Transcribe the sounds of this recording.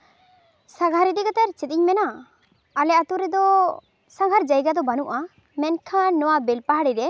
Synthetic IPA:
saɡʱaɾid̪iɡat̪ɛɾt͡ʃɛt̪̚iɲmɛnaː | lɛat̪uɾɛd̪ɔ | saŋɡʱaɾd͡ʒajɡad̪ɔbanuʔa | mɛnkʰanːɔwabɛlpaɦaɽid̪ɛ

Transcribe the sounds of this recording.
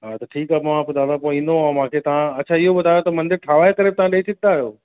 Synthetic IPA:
ɦat̪ɐʈʰiːkaːmɐʋãpʊd̪ʱãd̪apõːĩːnd̪oamãkʰet̪ɐʋãɐtːt͡ɕʰaɪɦoɓɐd̪ʱaːjot̪ɐmɐ̃nd̪ɪɾʈʰaːʋaːek̪ɐɾɛp̚t̪ɐʋãɗeːt͡ɕʰɪaːjoː

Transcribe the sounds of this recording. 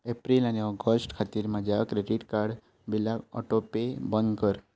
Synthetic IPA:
epɾilaneɔɡəsʈkʰat̪iɾmãd͡ʒaakɾeɖiʈkaɾɖ | bilaɔ̰ʈopebənd̪kəɾ

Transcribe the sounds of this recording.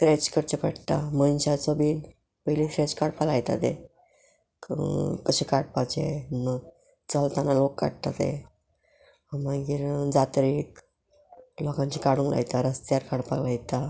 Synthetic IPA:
t̪ɾet͡ɕkəɾt͡ɕepəɽt̪a̰mənɕasobiːn | pəilitɾet͡ɕkaɽpalajt̪a̰t̪ḛ | kəɕekaɽ̚pat͡ɕenə | t͡səlt̪analokːa̰ɽt̪at̪ḛ | maɡiːɾd͡zat̪ɾiːk | lɔkãɲt͡ɕikaɽũŋklʔa̰jt̪aɾəst̪jaɾkaɽpaɡlajt̪a

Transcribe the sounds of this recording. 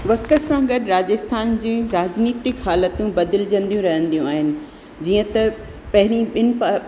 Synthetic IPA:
ʋɐkət̪sãɡɐɗɪɾaːd͡ʑəst̪ʰaːnd͡ʑĩːɾaːd͡ʑniːt̪ɪkɦaːlət̪ũbɐd̪ɪld͡ʑə̃nd̪ijũɾɐɦə̃nd̪ijũaːɦɪnɪ̆ | d͡ʑiːə̃t̪ɐ | pɐɦɪɾ̃iɓɪnɪ̆pa

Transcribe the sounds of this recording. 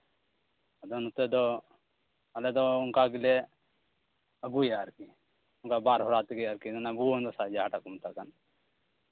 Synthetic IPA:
ɐd̪ɔnut̪ed̪ɔ | ɐlɛd̪ɔuŋkaɡile | əɡujaːɾki | uŋkabaɾɦɔɾaːt̪iɡijaɾkid̪ɔnabuond̪ɔsad͡ʒaɦaʈakumt̪akan

